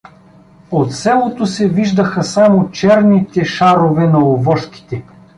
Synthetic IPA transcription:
ot̪sɛlˠot̪osɛviʒd̪əxɐsamot͡ʃɛɾnit̪ɛʃaɾovɛnɐovɔʃki̥t̪ɛ

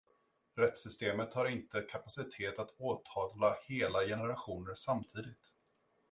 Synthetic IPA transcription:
ɾɛt̪sʏst̪eːmət̪haɾɪnt̪əkʰapasɪt̪ʰeːt̪at̪oːt̪ʰɑːvlaheːlajɛnəɾaɧuːnəɾsamt̪ʰiːd̪ɪt̪

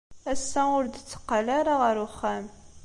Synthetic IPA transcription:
æsːæʊɾd̪ət͡sːə̥qːalaɾaʁəɾʊχːæm

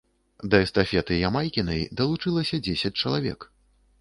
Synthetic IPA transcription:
d̪ɐɛst̪afʲɛt̪ɨjamajkʲinɐjd̪ɐlˠut͡ʂɨlˠɐsʲɐd͡zʲesʲɐt͡sʲt͡ʂɐlˠavʲɛ̰k

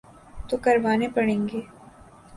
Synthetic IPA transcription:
t̪okɐɾʋaːnepɐɽ̃ẽːŋɡeː

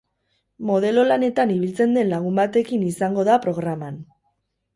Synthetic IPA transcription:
mo̞ð̞e̞lo̞lane̞t̪aniβilt͡se̞nd̪e̞nlaɣ̞umbat̪e̞kinisaŋɡo̞ðapɾo̞ɣ̞ɾaman

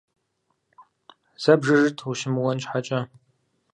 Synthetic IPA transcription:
z̥ɐbʐɨʐɨtʰuʃɪmwɔnt͡ʃʼħat͡ʃʼɐ

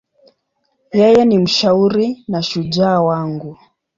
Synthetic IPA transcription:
jɛjɛnim̩ʃauɾinaʃud͡ʒaːwaŋɡu

